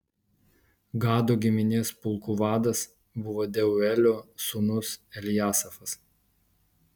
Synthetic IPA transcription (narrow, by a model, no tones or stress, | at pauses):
ɡɑːd̪oːɡʲɪmʲɪnʲɪspʊlˠkʊʋɑːd̪ɐs | bʊʋoːd̪ʲɛʊɛlʲoːsʊnʊsɛlʲɪjæːsɐfɐs